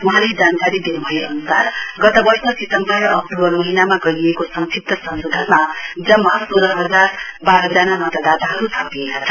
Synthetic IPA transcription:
wʌɦãled͡zankaɾid̪inbʱʌjeʌnusarɡʌt̪ʌbʌsʌsit̪ʌmpʌɾʌʔʌk̚ʈubʌrmʌɦinamaɡʌɾiekosʌŋsʰip̚t̪ʌsʌmsod̪ʱʌnmad͡zʌmasoɾʌɦʌd͡zarbaɾʌd͡zanamʌt̪ʌd̪ad̪aɦʌɾusʰʌpiekat͡sʰʌ

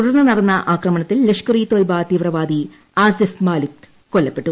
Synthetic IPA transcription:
t̪uɽɐrnːɐnɐɽɐnːɐʔaːkrɐmɐɳɐt̪ːilːekʂkɐriːt̪oːjbaːt̪iːʋrɐʋaːd̪i | aːsɐfmaːlit̪ | kolːɐpːe̞ʈːu

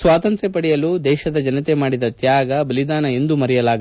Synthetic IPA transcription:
sʋaːt̪ɐnt̪ɾɛpɐɽijɐluːd̪ɛːʃɐd̪ɐd͡ʒɐnɐt̪emaːɽid̪ɐt̪jaːɡɐbɐlid̪aːnɐe̞nd̪umɐɾɛjɐlaːɡ

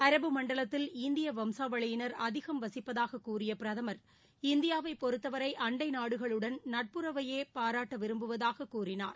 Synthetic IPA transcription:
ɐɾɐbɯmɐɳɖɐɭɐt̪ːɪlɪnd̪ɪjɐʋɐmsaːʋɐɭɐjɪnɐɾɐðɪɣɐmʋɐsɪpːɐðaːɣɐkːuːrɪjɐpɪɾɐðɐmɐɾ | ɪnd̪ɪjaːʋɐɪpːɔɾɯt̪ːɐʋɐɾɐɪʔɐɳɖɐɪnaːɽɯɣɐɭɯɽɐnnɐʈ̚pɯɾɐʋɐjeːpaːɾaːʈːɐʋɪɾɯmbɯʋɐðaːɣɐkːuːrɪna̰ːɾ

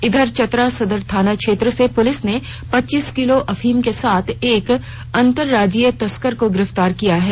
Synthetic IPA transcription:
ɪd̪ʱəɾt͡ʃɐt̪ɾasɐd̪əɾt̪ʰaːnakʃeːt̪ɾəsepʊlɪsne | pɐtːt͡ʃiskɪloʔɐfʰiːmkesaːt̪ʰeːk | ɐ̃nt̪əɾːaːd͡ʒiːjət̪ɐskəɾkoɡɪɾəft̪aːɾkijaɦɛː

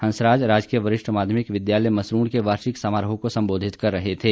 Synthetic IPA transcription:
hɐ̃nsɾaːd͡ʒɾaːd͡ʒkiəʋɐɾɪʃʈmaːd̪ʱjəmɪkʋɪd̪jaːləjmɐsɾuːɽkeʋaːɾʃɪksaːmaːɾəɦõkosɐ̃mboːd̪ʱɪt̪kɐɾːɐɦet̪ʰeː

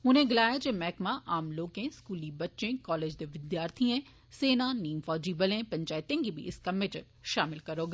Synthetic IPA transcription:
ʊnẽɡɪlaːjad͡ʒemɛːkmãʔaːmloːkẽskuːlibɐtːʃẽkɔːleːd͡ʒd̪eʋɪd̪jaːɾt̪ʰiẽ | seːnaniːmfɔːd͡ʒiːbəlẽpɐ̃ɲt͡ʃaːɪt̪ẽŋɡibʱḭɪ̰skameʈəɾ | ʃaːmɪlkɐɾoːɡ

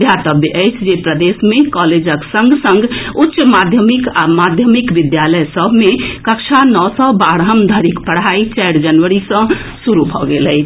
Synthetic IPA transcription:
d̪ʱjat̪əbjəʔəɪt͡ʃʰd͡ʒepɾəd̪esmekɔled͡ʒəksə̃ŋɡsə̃ŋɡʱutːʃmad̪ʱjəmika̰mad̪ʱjəmikʋɪd̪jaləjsəbʱmẽkəkt͡ʃʰanɔːsɔbaɽɦəmd̪ʱəɾikpəɽ̤ɦait͡ʃɛɪɾd͡ʒənʋəɾisə̃suɾubʱɔɡeləɪt͡ʃʰ

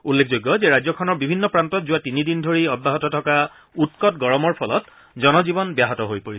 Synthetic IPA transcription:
ulːekʰzojɡːɔzeɹajzɔkʰɔnɔɹbibʱinːɔpɹantɔtzuwatinidindʱoɹiɔd̚baɦɔtɔtʰɔka | utkɔt̚ɡɔɹɔmɔɹpʰɔlɔt | zɔnɔzibɔnbjaɦɔtɔɦojpoɹisɛ

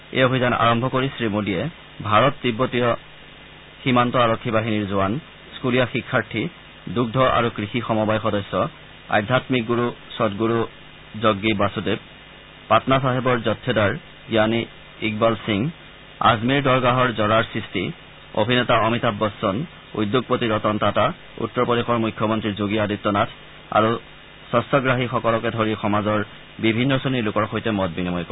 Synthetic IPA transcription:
ḛobʱizana̰ɹɔmbʱɔkoɹisɹimudijɛ | bʱaɹɔt̚dibːotijɔ | ximantɔaɹɔkʰːibaɦiniɹzuan | skulijaxikʰːaɹʈʰi | duɡ̚dʱɔʔa̰ɹukɹixixɔmɔbajxɔdɔsːɔ | a̰jd̪ʱatmik̚ɡuɹusɔdɡuɹu | zoɡːibasude | patnasaɦebɔɹzɔtʰːɛdaɹ | ɡjaniː | ɡbalsiŋ | a̰zmiɹdɔɹɡaɦɔɹzɔɹaɹsɹisti | o̰bʱinɛtaɔmitabːɔsːɔn | ṵjdːoɡ̚potiɹɔtɔntata | ṵtːɔɹpodexɔɹmujkʰːjɔmɔntɹiɹzoɡiaditːɔnatʰ | a̰ɹu | sɔstɔɡɹaɦixɔkɔlɔkɛdʱoɹixɔmazɔɹ | bibʱinːɔsonilʊkɔɹxojtɛmɔt̚binimɔjkɔɹ

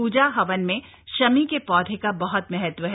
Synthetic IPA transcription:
uːd͡ʒaɦɐʋənmẽ | ʃɐmikepɔːd̪ʱekabɐɦɔt̪mɛɦət̪ʋəɦɛ

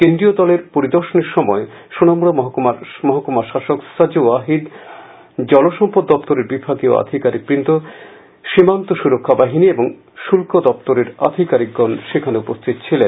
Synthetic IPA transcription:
kend̪ɾiod̪ɔleɾpoɾid̪oɾʃoneɾʃɔmɔe | ʃunamuɽomɔɦmaɾmɔɦakomaɾʃaʃoksad͡ʑoaɦid̪ | d͡ʑɔloʃɔmpod̪ːɔpt̪oɾeɾbibʱaɡio̰a̰d̪ʱikaɾik̚bɾint̪o | ʃimant̪oʃuɾokʰːabaɦinieboŋ | ʃulkod̪ɔp̚t̪oɾeɾa̰d̪ʱikaɾik̚ɡɔnʃekʰaneupost̪ʰit̪t͡ɕʰilen

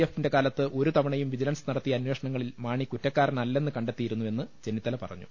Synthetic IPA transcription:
efinde̞kaːlɐt̪ːɨʔo̞ɾut̪ɐmɐɳɐjumʋid͡ʑilɐnsnɐɽɐt̪ːiɐnweːʂɐɳɐŋːɐɭilmaːɳikutːɐkːaːrnɐlːe̞nːɨkɐɳɖet̪ːijiɾunːue̞nːɨt͡ɕe̞nːit̪ːɐlɐpɐ̰rɐ̰ɲːṵ

